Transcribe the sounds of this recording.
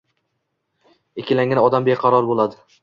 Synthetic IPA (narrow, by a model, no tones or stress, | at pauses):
ekʲɪlaŋʲanɒd̪ambeqʰɑɾɒɾbolˠad̪ɪ